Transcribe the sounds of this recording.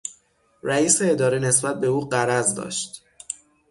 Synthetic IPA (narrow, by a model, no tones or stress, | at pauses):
ɾæiːseːd̪ɒːɾiːne̞sbæt̪̚be̞uːɢæɾæzd̪ɒ̰ːʃt̪